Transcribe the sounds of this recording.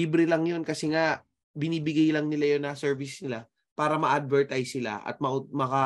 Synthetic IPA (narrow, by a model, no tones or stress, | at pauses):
ibɾɪlɐŋjo̞nkɐsɛŋa | bɪniːbɪɡajlɐŋnɪlajonːɐsɛɹvɪsnɪla | paːɾɐmɐʔad̪̚vɛɹt̪ajsɪla̰ʔɐ̰t̪̚mɐʔmɐkɐ